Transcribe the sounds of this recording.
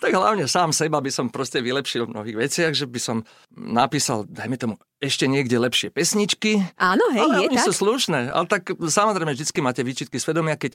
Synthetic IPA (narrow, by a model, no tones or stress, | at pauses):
t̪aɡɦla̰ʊɲɛsaːmsɛbabisɔmpɾɔscɛʋilɛpʃilmnɔ̰ɦiːɣʋɛt͡sɪaɣʒɛbisɔm | napiːsa̰ld̪ajmɛt̪ɔmu | ɛʃcɛɲɪɛɡɟɛlɛpʃɪɛpɛsɲit͡ʃkiaːnɔɦɛalɛɔɲisusluʃnɛːa̰lɛt̪aksamɔzɾɛɪmɛʒd̪it͡skimaːcɛʋiːt͡ʃit̪̚kisʋɛd̪ɔmɪakɛc